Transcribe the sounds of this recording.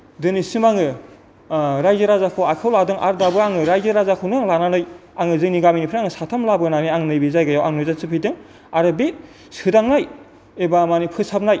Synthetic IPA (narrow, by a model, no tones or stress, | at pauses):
dɯnisɯmaŋɯ | ɾajzɯɾazakʰɯwajkʰawladɯŋʔa̰ɾdabɯaŋɯɾajzɯɾazakʰɯwnɯaŋlananɯjaŋɯzɯŋniɡaminipʰɾaŋɯsatʰamlabɯnaniaŋnɯjbizajɡajawaŋnɯzasɯpʰidɯŋ | aɾɯbet̚ | sɯdaŋnaj | ebamanipʰɯsap̚naj